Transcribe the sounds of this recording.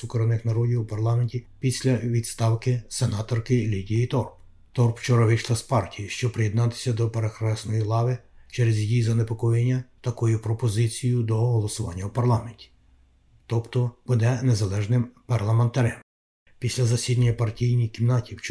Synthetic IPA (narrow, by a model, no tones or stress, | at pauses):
sʊkɾɔnɪxnɐɾɔdʲiwupɐrlˠɑmenʲtʲipʲisʲlʲɐʋʲid̪st̪ɑwkɪsenɑt̪ɔrkɪlʲidʲijit̪ɔrp | t̪ɔrpt͡ʃɔɾɐʋɪʃlˠɐspɑrtʲijiʃt͡ʃɔpɾɪjed̪nɑt̪ɪ̥sʲɐd̪ɔpeɾexɾɛsnɔjilˠɑʋɪt͡ʃɛɾezʲjijizɐnepɔkɔjenʲːɐt̪ɐkɔjʊpɾɔpɔzɪt͡sʲijʊd̪ɔɦɔlˠɔsʊʋɑ̰nʲːɐwpɐrlˠɑmenʲtʲi̥ | t̪ɔpt̪ɔb̥ud̪ɛnezɐlˠɛʒnɪmpɐrlˠɐment̪ɐɾɛm | pʲisʲlʲɐzɐsʲid̪ɐnʲːɐpɐrtʲijnʲijkimnɑtʲiwt͡ʃ